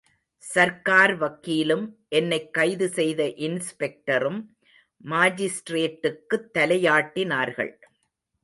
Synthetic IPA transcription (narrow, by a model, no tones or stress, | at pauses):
sɐɾkaːɾʋɐkːiːlɯmʔɛnːɐɪkːɐɪðɯsɛjðɐʔɪnspɛk̚ʈɐɾɯmː | aːd͡ʒɪsʈɾeːʈːɯkːɯt̪ːɐlɐjaːʈːɪnaːɾɣɐ̰ɭ